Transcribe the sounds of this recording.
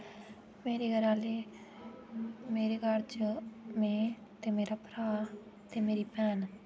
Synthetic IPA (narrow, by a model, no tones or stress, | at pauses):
meːɾeːɡəɾaːleː | meːɾeːɡaɾt͡ʃmẽːt̪eːmeːɾaːpɾaː | t̪eːmeːɾiːpɛːn